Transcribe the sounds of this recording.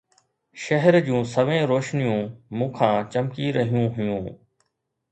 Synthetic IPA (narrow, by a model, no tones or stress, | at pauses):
ʃɐɦəɾd͡ʑũːsɐʋẽːɾoːʃnijũmũːkʰãːt͡ɕɐmkiɾɐɦijũɦʊjũː